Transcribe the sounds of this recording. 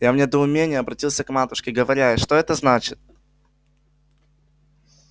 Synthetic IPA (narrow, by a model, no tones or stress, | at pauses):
jamnʲe̞d̪əʊmʲenʲɪjəɐbɾɐtʲilˠsʲəkmat̪ʊʂkʲɪɡəvɐɾʲajəʂt̪o̞ɛt̪əznat͡ɕɪt̪̚